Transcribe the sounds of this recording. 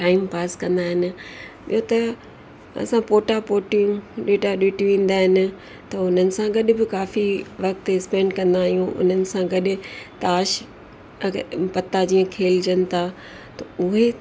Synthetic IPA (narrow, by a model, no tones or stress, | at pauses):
ʈaːɪmpaːskɐ̃nd̪aːɦɪnɪ̆ɓḭjɦot̪ɐ | ɐ̰sãpoːʈapoːʈijũɗeːʈaɗeːʈjũʋĩːn̆d̪aːɦɪnɪ̆ | t̪ɐʊn̤ənɪ̆sãɡɐɗ̆bɪkaːfiʋɐkt̪ɪspɛ̃ːɳɖkɐ̃nd̪aːɦijũʔʊ̰n̤ənɪ̆sãɡɐɗɪ̆t̪aːʃ | pɐt̪ːad͡ʑiːə̃kʰeːld͡ʑɐnɪ̆t̪ʰa | t̪ɐʊɦe